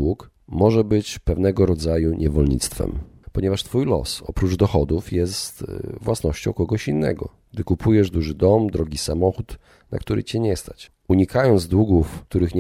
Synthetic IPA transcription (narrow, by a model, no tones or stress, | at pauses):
wuk | mɔʐɛbɘt͡ɕpɛvnɛɡɔɾɔd̪zajuɲʔɛvɔlɲḭt̪st̪fɛ̰mpɔɲɛvaʂt̪fujlɔ̰sɔ̰pɾud͡ʐd̪ɔxɔd̪ufjɛst̪vwasnɔɕt͡ɕɔ̃w̃kɔɡɔɕinːɛ̰ɡɔ̰ | ɡ̥̚d̪ɘkupʰujɛʐd̪uʐɘd̪ɔmd̪ɾɔɡʲisamɔxut̪ | na̰k̚t̪uɾʔɘ̰t͡ɕɛɲɛst̪at͡ɕ | uɲikajɔnd̪zd̪wuɡufk̚t̪uɾɘxɲ